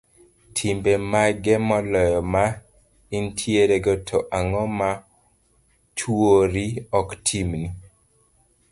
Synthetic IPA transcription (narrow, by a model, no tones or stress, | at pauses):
tʰimbemaɡɛmɔlɔjɔma | intʰieɾeɡɔtʰɔʔaŋɔma | t͡ʃwoɾiɔktʰimni